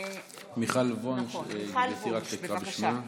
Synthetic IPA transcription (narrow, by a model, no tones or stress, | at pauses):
miχalvonʃjesiʁat̪ʃekʁabeʃnia